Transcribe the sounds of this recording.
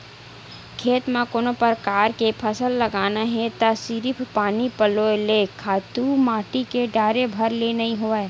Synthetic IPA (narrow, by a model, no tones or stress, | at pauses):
kʰeːt̪mãkoːnõpəɾkaːɾkepʰɐsəlːɐɡaːnaɦɛ̃t̪asiɾɪpʰpaːnipəloelekʰaːt̪umaːʈikeɖaːɾebʱɐɾlenɐĩɦoe